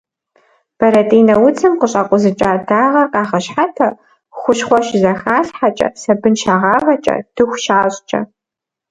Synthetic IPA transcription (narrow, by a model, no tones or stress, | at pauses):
b̥ɐɾɐtʼiːnɐwʊt͡sʰɨmqəɕʼaqʷʼʊzɨt͡ʃʼaːdaːʁɐqɑːχɐɕħatʰɐ | χʷʊɕχʷɔʃzɐxxaːɬħat͡ʃʼɐ̰sɐbɨnʃaːʁɑːvɐt͡ʃʼɐ̰d̥ɨxʷʃaːɕʼt͡ʃʼɐ̰